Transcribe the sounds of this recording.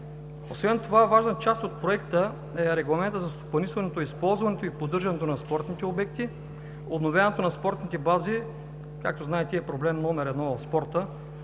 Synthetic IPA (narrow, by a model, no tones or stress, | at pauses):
osvɛnt̪ovavaʒnət͡ʃast̪ot̪̚pɾoɛkt̪ə | ɛɾɛɡlˠɐmɛnt̪əzɐst̪opɐnisvɐnɛt̪oispɔlˠzvɐnɛt̪oipod̪ɤɾʒɐnɛt̪onɐspɔɾt̪nit̪ɛobɛkt̪i | obnovʲjanɛt̪onɐspɔɾt̪nit̪ɛbazi | ka̰k̚t̪oznaɛt̪ɛɛpɾoblɛmnɔmɛɾɛd̪nɔvɐfspɔɾt̪ə